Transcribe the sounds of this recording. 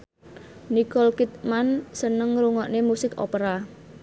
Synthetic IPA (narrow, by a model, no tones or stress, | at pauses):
nikɔlkit̪̚mansənəŋɾuŋɔʔnemusɪko̰pəɾa